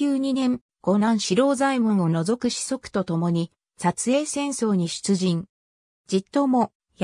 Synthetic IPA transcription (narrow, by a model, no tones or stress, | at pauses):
ɨːɲ̟inẽ̞ŋ | ɡ̥o̞nãɰ̃ɕiɾo̞ːzaimɯ̟̃ɰ̃o̞no̞zo̞kɯ̟ɕi̥so̞kɯ̟̥t̪o̞t̪o̞mo̞ɲ̟i | sat͡sɨe̞ːsẽ̞ɰ̃so̞ːɲ̟iɕɨ̥t͡sɨʑĩŋ | d͡ʑit̪ːo̞mo̞ | j